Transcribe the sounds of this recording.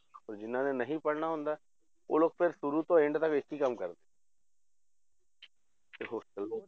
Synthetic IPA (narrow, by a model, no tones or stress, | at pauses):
ɔːɾd͡ʒɪnːãːnenəɦĩːpəɽnaɦʊ̃ːnd̪aː | o̰ːloːk̚pʰɪɾsʊɾut̪õːɪ̃ɳɖt̪ɐkɪskikəmkəɾd̪e | t̪eɦoːsʈəl